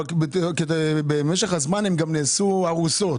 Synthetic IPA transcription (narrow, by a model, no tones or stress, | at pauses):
bekdebemeʃeχazmanemɡamneːsuaʁusot